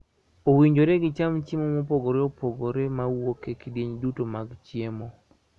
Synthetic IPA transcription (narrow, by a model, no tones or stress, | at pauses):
owiɲd͡ʒoɾeɡɪt͡ʃamt͡ʃimomopoɡoɾeopoɡoɾemawokekidjeɲdutomaɡt͡ʃjemo